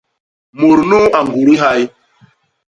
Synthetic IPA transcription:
mu˨ɾnu˦a˨ŋɡu˨ɾi˦ɦa˦j

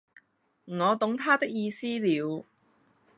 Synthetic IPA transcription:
ŋɔː˨˧t̪ʊ˨˥ŋt̪ʰaː˥t̪ɪ˥k̚jiː˧siː˥liː˨˧w

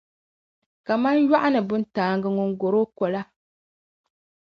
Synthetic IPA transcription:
ka˨ma˦nja˦ʔa˦nɨ˨bʊ˦n˦taː˨ŋɡɨ˦ŋʊ˦ŋ˦ɡo˨ɾo˦kɔ˨la˦

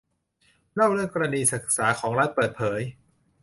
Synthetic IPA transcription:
ɾa˥˩wɾɯ˥˩əŋkɔː˧ɾa˧niː˧sɯ˨˩k̚saː˩˦kʰɔː˩˦ŋɾaː˦˥n̚pɤː˨˩t̪̚pʰɤː˩˦j

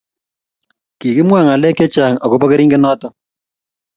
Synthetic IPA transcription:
ki˨kɪ˦mwa˦˨ŋa˨lɛ˦kɛ˦t͡ʃa˨ŋa˨ko˦pɔ˦ke˦ɾi˦ŋɡe˦nɔ˦tɔ˦

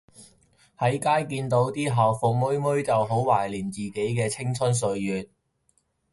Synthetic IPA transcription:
hɐ˨˥jkaː˥jkiː˧nt̪o˨˥wt̪iː˥ɦɐ˨wfo˨k̚mɵ˥ɥmɵ˥ɥt͡sɐ˨wɦo˨˥wwaː˨˩jliː˨˩nt͡siː˨ke˨˥jkɛː˧t͡sʰɪ˥ŋt͡sʰɵ˥ns̬ɵ˧ɥːyː˨t̚

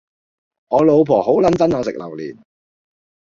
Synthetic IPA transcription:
ŋɔː˨˧lo˨˧wpʰɔː˨˩ho˨˥wlɐ˨˥nt͡sɐ˥nɔː˨˧sɪ̰˨k̚lɐ̰˨˩wlḭː˨˩n

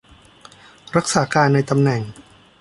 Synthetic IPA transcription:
ɾa˦˥k̚saː˩˦kaː˧nːa˧jt̪a˧mnɛ˨˩ŋ

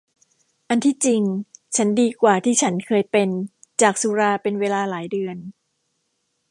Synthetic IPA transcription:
ʔa˧nt̪ʰiː˥˩t͡ɕi˧ŋt͡ɕʰa˦˥ndiː˧kwaː˨˩t̪ʰiː˥˩t͡ɕʰa˦˥nkʰɤː˧jpe˧nt͡ɕaː˨˩k̚su˧ɾaː˧pe˧nweː˧laː˧laː˩˦jdɯ˧ən

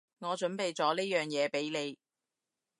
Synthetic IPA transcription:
ŋɔː˨˧t͡ʃɵ˨˥npe˨jt͡sɔː˨˥niː˥jœː˨ŋjɛː˨˧pe˨˥jle˨˧j

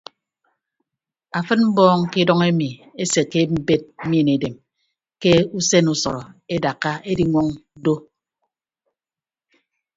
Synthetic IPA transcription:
a˨fɨ˦tm̩˦bɔː˦ŋ˦ki˦dɔ˦ŋe˦mi˨e˦se˨ke˦m̩˦be˦t̩̚˦mi˦˨ne˨de˨m | ke˦u˦se˦nu˨sɔ̰˨ɾɔ˨e˦da˨kːa˦e˦di˨ŋʷɔ˦ŋdo˦

